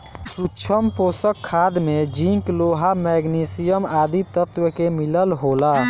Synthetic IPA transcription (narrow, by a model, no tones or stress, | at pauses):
sut͡ʃʰəmposəkʰːaːd̪med͡ʒĩŋkloɦamɛɡnisijəmaːd̪it̪ət̪wəkemiləlɦoːla